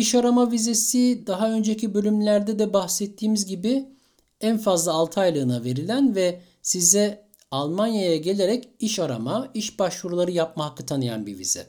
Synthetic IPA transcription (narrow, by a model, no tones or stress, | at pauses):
iʃaɾamavize̞sid̪aɦaø̞nd͡ʒecibø̞lʲymlʲæɾd̪ɛd̪ɛbaxsɛt̪ʰːiːmizɟibi | ænfazlˠaːlˠt̪ʰɯajlˠɯːnave̞ɾilʲænvɛ | sizɛ | alˠmanjajaɟe̞lʲe̞ɾɛciʃaɾa̰maiʃbaʃvuɾulˠaɾɯjap̚mahakːɯt̪ʰanɯja̰nbḭvḭz̥ɛ̰